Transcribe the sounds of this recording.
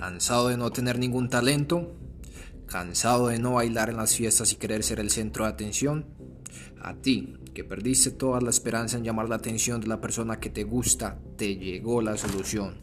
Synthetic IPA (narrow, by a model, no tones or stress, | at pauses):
kansaðoðe̞no̞t̪e̞ne̞ɾnĩŋɡunt̪ale̞nt̪o̞ | ka̰nsaðo̞ðe̞no̞βajlaɾe̞nlasfje̞st̪asi̥ke̞ɾe̞ɾse̞ɾe̞lse̞nt̪ɾoðat̪e̞nsjo̞n | a̰t̪i | ke̞pe̞ɾðist̪e̞t̪o̞ðalaespe̞ɾansae̞nɲd͡ʒamaɾlaːt̪e̞nsjo̞nd̪elape̞ɾso̞nake̞t̪e̞ɣust̪at̪e̞ʝe̞ɣo̞laso̞lusjo̞n